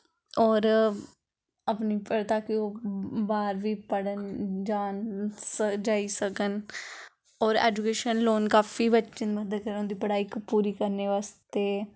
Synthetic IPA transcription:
ɔːɾ | əpniːpəɾt̪aːkɪoːbaːɾʋiːpəɽənd͡ʒaːnsəd͡ʒaːiːsəkən | ɔːɾɛ̰ːd͡ʒukeːʃənloːnkaːfiːbət͡ʃə̃nməd̪əd̪̚kəɾəõːnd̪iːpəɽaːikpuːɾiːkəɾneːʋaːst̪eː

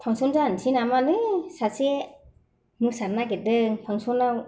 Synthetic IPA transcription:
pʰaŋsɔnzantʰinamalɯjsase | mɯsat̚naɡet̚dɯŋpʰaŋsonaw

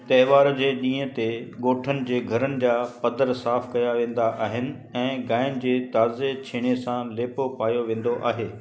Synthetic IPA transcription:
t̪ɐɦʋaːɾd͡ʑeːɗĩːɦə̆t̪eɠoːʈʰənɪ̆d͡ʑeːɡʱɐɾənɪ̆d͡ʑaːpɐd̪əɾsaːfkɐjaʋẽːn̆d̪aʔaːɦɪnɪ̆ | ɛ̃ːɡaːɪn̆d͡ʑeːt̪aːzet͡ɕʰeːɽ̃esãleːpopaːjoʋẽːn̆d̪oʔa̰ːɦeː

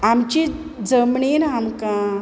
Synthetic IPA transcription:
amt͡ɕi | d͡zəmɳenamkã

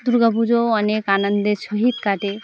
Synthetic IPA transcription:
d̪uɾɡəbud͡ʒoɐnekaːnənd̪esoɦit̪kaʈe

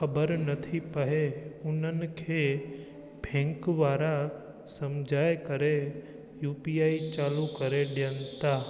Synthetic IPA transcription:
xɐbəɾnɐt̪ʰipɐɦeʊn̤ənɪ̆kʰeː | bʱɛ̃ːŋkʋaːɾa | sɐ̃md͡ʑʱaːekɐɾe | juːpiːaːit͡ɕaːlukɐɾeɗɪjənɪt̪aː

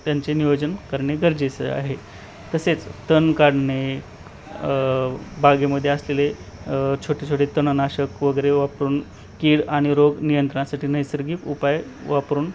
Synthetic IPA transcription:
t̪jaɲt͡ɕeniʋod͡ʑənkəɾɳeɡəɾd͡ʑesə̰a̰ɦe | t̪əset͡st̪ənkaɽɳe | baɡeməd̪ʱːjeəslele | t͡ɕʰoʈet͡ɕʰoʈet̪ənnaɕəkʋəɡəɾeʋapɾuːn | kiːɽaɽ̃iɾoɡnijənt̪ɾəɳasaʈiːnəjsəɾɡiːkupajʋapɾuːn

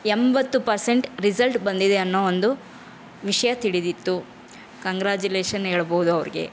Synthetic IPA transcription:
embɐt̪ːupɐɾse̞ɳʈɾizɐlʈbɐnd̪id̪e̞ɐnːoond̪u | ʋiʂɐjɐt̪iɽid̪it̪ːu | kɐŋɡɾaːd͡ʒuleːʂɐnɦeːɭboɦud̪uɐʋɐɾiɡe̞̰

